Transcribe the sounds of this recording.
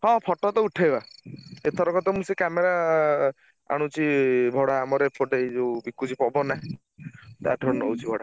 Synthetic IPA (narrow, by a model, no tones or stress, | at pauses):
ɦɔ̃pʰɔʈɔt̪ɔuʈʰajbaet̪ʰɔɾɔkɔt̪ɔmũsekameɾa | a̰ɽ̃ũt͡ʃʰibʱɔɽaːmɔɾepʰɔʈed͡ʒobikːud͡ʒipɔbɔnã | t̪a̰ʈʰɔnowt͡ʃʰibʱɔɽa